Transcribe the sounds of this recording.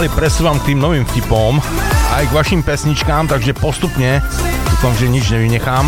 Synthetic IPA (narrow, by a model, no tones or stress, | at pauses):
lipɾɛsuːʋamk̚t̪iːmnɔʋiːmfcipɔmajɡʋaʃimpɛsɲit͡ʃkaːmt̪aɡʒɛpɔst̪upɲɛd̪ukɔnzɛɲid͡ʒɲɛʋiɲɛxaːm